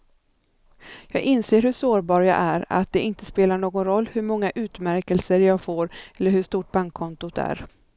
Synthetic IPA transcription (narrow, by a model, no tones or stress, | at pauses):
jɑːɡɪnseːɾhɵʂoːɾbɑːɾjɑ̰ʔæɾa̰t̪̚d̪ɛʔɪnt̪əspeːlaɳoːɡɔnɾɔlːhɵɾmɔŋːaʔʉ̟ːt̪mæɾkɛlsəɾjɑːɡfoːɾɛlːəɾhɵʂt̪uːʈ̚baŋkʰːɔnt̪ʊt̪æ̰ɾ